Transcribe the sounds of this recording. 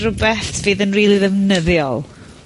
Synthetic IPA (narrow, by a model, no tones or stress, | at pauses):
rʊbɛθviːðənriːlˠiðɛvnəðjɔlˠ